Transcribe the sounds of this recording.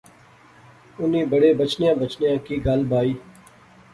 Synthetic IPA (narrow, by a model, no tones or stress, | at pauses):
ʊnĩːbəɽeːbət͡ʃnɪjãːbət͡ʃnɪjãːkiːɡəlbaːiː